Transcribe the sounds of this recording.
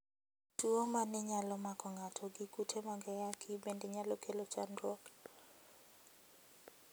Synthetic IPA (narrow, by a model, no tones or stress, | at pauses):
tuomanɪɲalɔmakɔŋatʰɔɡɪkutʰemɔɡɛjakʰibendeɲalɔkʰelot͡ʃandwɔk